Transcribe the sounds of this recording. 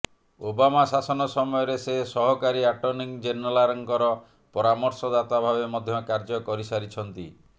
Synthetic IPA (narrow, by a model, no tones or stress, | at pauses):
obamasasɔnɔsɔmɔjɔɾesesɔɦɔkaɾiaʈɔɾniŋd͡ʒenɔlaɾɔŋkɔɾɔ | pɔɾamɔɾsɔd̪at̪abʱabemɔd̪ʱjɔkaɾd͡ʒɔkɔɾisaɾit͡ʃʰɔnt̪ḭ